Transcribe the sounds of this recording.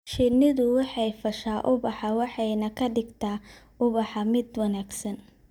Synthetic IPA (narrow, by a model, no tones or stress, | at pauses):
ʃɪnɪðʊwɑħɑjfɐʃaːʔʊbɑħɑwɑħɑjnɐkʰɐɖɪɡt̪ʰaːʔʊβɑħɑmɪd̪wɐnaːɡsɐn